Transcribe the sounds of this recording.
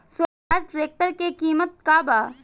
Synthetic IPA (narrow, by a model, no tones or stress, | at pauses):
sə | aːd͡ʒʈɾeːk̚t̪əɾkekiːmət̪̚kaːbaː